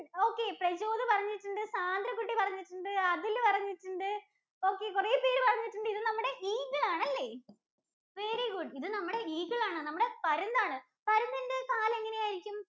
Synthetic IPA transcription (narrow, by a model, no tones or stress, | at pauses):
o̞ːkːe̞prɐɕo̞ːðɨpɐrɐɲːiʈːuɳɖɨsaːnd̪ɾɐkːuʈːipɐrɐɲːiʈːuɳɖɨɐðilpɐrɐɲːiʈːuɳɖɨ | o̞ːkːe̞kure̞ːpeːɾɨpɐrɐɲːiʈːuɳɖɨiðɨnɐmːuɽe̞ʔiːɡɐɭaːɳɐlːe̞ː | ʋe̞ɾiɡuɖiðɨnɐmːuɽe̞iːɡɐɭaːɳɨnɐmːuɽe̞pɐɾund̪aːɳɨ | pɐɾund̪iɳɖɨkaːle̞ŋːɐnejaːjiɾikʲːum